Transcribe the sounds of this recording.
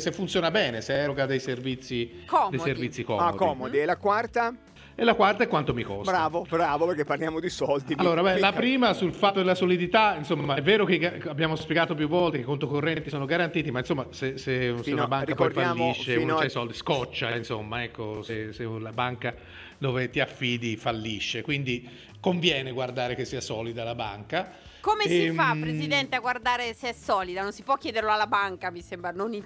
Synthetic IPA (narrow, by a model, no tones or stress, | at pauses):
sefːunt̪sjoːnabɛːneseɛɾoɡad̪ejservit̪sːiɔd̪ejservit̪sːikɔ̰odkɔiːmod̪iɛlakwart̪a | elːakwart̪aekːwant̪omikɔ̰sɾaːvobɾaːvopeɾkepːarljaːmod̪isɔld̪ialːoːɾabɛlapɾiːmasulfat̪ːod̪elasolid̪it̪ainsomːaɛvːeːɾok̟eɡaabjaːmospjeɡaːt̪op̬juvːɔlt̪ekekont̪okorːɛnt̪isoːnoɡaɾant̪iːt̪imainsomːaseseseuunabaŋkappɔjfalːiʃːennt͡ʃɛjsɔld̪iskɔt͡ʃːainsomːaɛkːoseselabaŋka | d̪oːvet̪iafːiːd̪ifalːiʃːekwind̪i | koɱvjɛːneɡward̪aːɾekesːiːasɔːlid̪alabaŋka | komeifapɾezid̪ɛnt̪eaɡward̪aːɾeseɛsɔːlid̪anonsipwɔk̟jɛːd̪eɾloalːabaŋkamisembɾanoni